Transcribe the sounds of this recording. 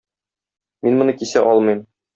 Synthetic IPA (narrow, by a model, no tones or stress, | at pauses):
minmŏnɤkisæʔɒlˠmɤ̆jm